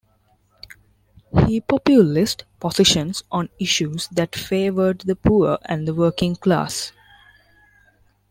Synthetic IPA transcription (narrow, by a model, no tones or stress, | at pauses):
hiːpɔpjulɪsʈpɔsɪʃə̃nsʔɔ̃nɪʃuːzd̪æʈfeːʋəɖd̪əpʰuːæ̰̃nd̪əʋəːkɪ̃ŋkla̰ːs